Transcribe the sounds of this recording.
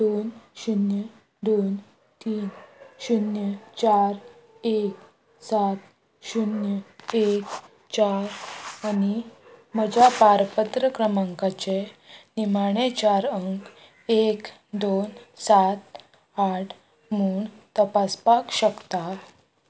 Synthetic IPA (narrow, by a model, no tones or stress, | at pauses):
d̪onɕunjə | d̪on | t̪iːnɕunjət͡ɕaɾ | ek | sat̪ | ɕunjəek | t͡ɕaɾaniməd͡ʑapaɾpət̪ɾəkɾəmãŋkat͡ɕenimaɽ̃et͡ɕaɾəŋk | ek | d̪onsat̪ | aʈʰ | muːɳt̪əpaspakɕəkt̪a